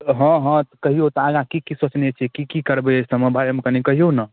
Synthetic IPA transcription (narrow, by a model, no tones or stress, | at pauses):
ɦə̃ɦə̃t̪kəɦiot̪aɡãkikisot͡ʃnet͡ʃʰɛkikikəɾbesəməbʱaɾmkənikəɦijonə